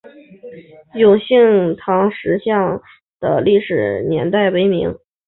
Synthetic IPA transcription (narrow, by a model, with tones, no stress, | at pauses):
jʊ˨˩ŋɕi˥˩ŋt̪ʰɑ˧˥ŋʂɻ̩˧˥ɕjɑ˥˩ŋ | d̪̥ə̰˩li˥˩ʂɻ̩˨˩njɛ̰˧˥nt̪a˥˩ɪwe˧˥˩ɪmi˧˥ŋ